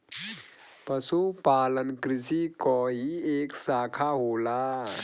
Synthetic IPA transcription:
pəsupalənkɾisikɔɦieːksaːkʰaɦola

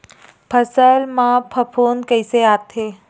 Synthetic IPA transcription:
pʰəsəlmãpʰəpʰonkəjseat̪ʰe

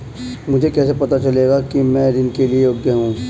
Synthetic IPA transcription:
mʊd͡ʒʱekɛːs̬epɐt̪at͡ʃɐleːɡakimɛ̃ːɾɪnkeliejoːɡjəɦũː

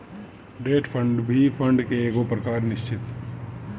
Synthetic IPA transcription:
ɖeːʈpʰə̃ɳɖbʱipʰə̃ɳɖkeeːɡopɾɐkaːɾnɪʃt͡ʃɪt̪

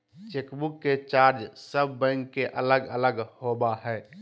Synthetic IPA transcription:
t͡ʃekbukːet͡ʃaːɾd͡ʒsəbːɛ̃ŋkːeʔələɡələɡhobaɦɛː

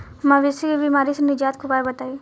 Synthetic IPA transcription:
mãʋɪsekibimaːɾisenɪd͡ʒaːt̪̚kʰʊbaːbɐt̪aːi

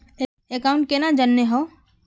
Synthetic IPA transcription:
e | ekaʊ̃ɳʈ̚kenad͡ʒənːeɦo

